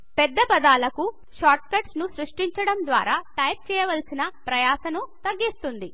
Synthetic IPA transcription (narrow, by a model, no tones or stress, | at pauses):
pɛd̪ːɐpɐd̪aːlɐku | ʃaːʈ̚kɐʈsnusɾuʂʈiɲt͡ʃɐɽɐmd̪ʋa̰ːɾaːʈɐjp̚t͡ʃɛːjɐʋɐlsinɐpɾɐjaːʃɐnut̪ɐɡːist̪und̪i